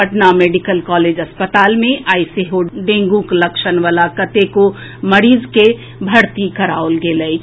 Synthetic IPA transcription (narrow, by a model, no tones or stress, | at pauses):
əʈnameːɖikəlkɔːled͡ʒəspət̪aːlmẽʔaːɪseɦoɖẽːŋɡũkləkʃənʋalakət̪eko | məɾiːzke | bʱəɾt̪ikəɾaolɡeləjt͡ʃ